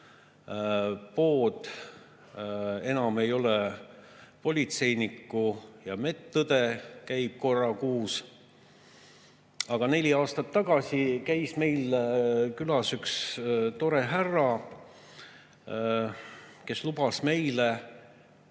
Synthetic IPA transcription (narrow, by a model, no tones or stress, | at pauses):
po̞ːd̪̥ | e̞nɑme̞jo̞lɛ | po̞lʲit̪se̞jnikːujɑme̞t̪ːud̪̥e̞kæjb̥̚ko̞rːɑkuːs | ɑɡ̥ɑne̞lʲiɑːst̪ɑt̪ːɑɡ̥ɑsʲikæjsme̞jlkylɑsykst̪o̞ɾe̞ɦærːɑ | ke̞slubɑsme̞jle